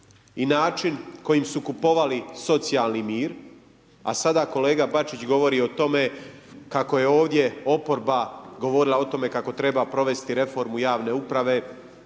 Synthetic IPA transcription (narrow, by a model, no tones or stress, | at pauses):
inaːt͡ʃinko̞jimsukupo̞ʋaliso̞t̪sijalˠnimiːɾ | a̰sad̪ako̞le̞ːɡabat͡ʃit͡ɕɡo̞ʋo̞ɾiːot̪o̞me̞ | kako̞je̞o̞ːʋd̪je̞o̞po̞ɾbaɡo̞ʋo̞ɾilˠao̞t̪o̞me̞kako̞t̪ɾe̞bapɾo̞ʋe̞st̪iɾe̞fo̞ɾmujaːʋne̞upɾaʋe̞